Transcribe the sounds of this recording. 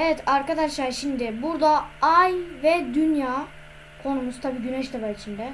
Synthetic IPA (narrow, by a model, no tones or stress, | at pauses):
evɛt̪ʰaɾkad̪aʃlˠaɾʃimd̪ɪbuɾd̪aajvɛd̪ynjaː | kʰo̞numust̪ʰabiːɟynɛʃd̪abait͡ʃʰind̪ɛ